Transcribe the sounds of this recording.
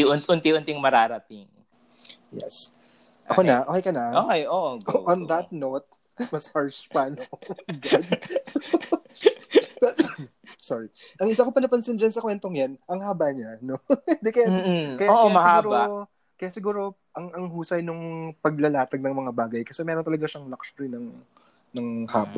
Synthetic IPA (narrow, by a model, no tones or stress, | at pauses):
ʊnt̪ʊnt̪iʔʊnt̪ɪŋmɐɾaːɾɐt̪ɪŋ | jɛ̰s | ʔɐ̰konɐʔokejkɐnɐoːkɛjoʔɡʔɔnd̪ɐt̪̚not̪̚ | mɐshaɹspanɐoɡad̪so | bɐ | soɹiʔɐŋɪsakopɐnɐpɐnsɪnd͡ʒɐnsɐkwɛnt̪o̞ŋjanʔɐŋhaːbaɲano̞d̪ɛkɛjakɐjoːʔmɐao | kɐjasɪɡuːɾo̞ | ʔɐŋɐŋhuːsɐjnʊŋpɐɡ̚lɐlaːt̪ɐɡ̚nɐŋmɐŋabaːɡɐjkɐsɛmɛːɾont̪ɐlɐɡaʃɐŋlɐksɾinɐŋ | nɐŋhaːba̰